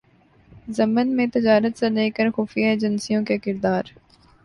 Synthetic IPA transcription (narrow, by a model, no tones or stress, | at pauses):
zɐmənmẽt̪ɪd͡ʒaːɾət̪seleːkəɾxuːfijaeːd͡ʒənsijõkekɪɾd̪aːɾ